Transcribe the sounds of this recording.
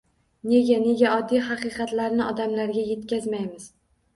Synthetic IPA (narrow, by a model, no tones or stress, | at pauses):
ne̞ɡʲane̞ɡʲaɒd̪ːijɦɑqɨqɑt̪laɾnɪɒd̪amlaɾɡʲaje̞t̪̚kʲazmajmɪz̥